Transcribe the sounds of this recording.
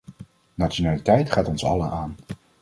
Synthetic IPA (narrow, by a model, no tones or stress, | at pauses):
nat͡ʃonaːlitɛjtχaːtɔnsɑ̰ləʔaːn